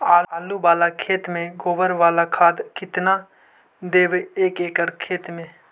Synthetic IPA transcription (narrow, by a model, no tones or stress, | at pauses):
aːaːlubaːlakʰeːt̪mẽɡoːʋəɾʋaːlakʰaːd̪kɪt̪na | d̪eːʋeːkeːkəɾkʰeːt̪mẽː